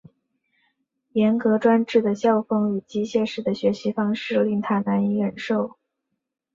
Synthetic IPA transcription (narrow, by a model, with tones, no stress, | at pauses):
jɛ˧˥nkɤ˧˥ʈ͡ʂwa˥nʈ͡ʂɻ̩˥˩d̪ə˩ɕjɑ˥˩ʊfɤ˥ŋy˨˩t͡ɕi˥ɕjɛ˥˧ʂɻ̩˥˩d̪ə˩ɕɥɛ˧˥ɕi˧˥fɑ˥ŋʂɻ̩˥˧li˥˧ŋt̪ʰa˥˩na˧˥ni˧˥ɻə˨˩nʂo˥˩ʊ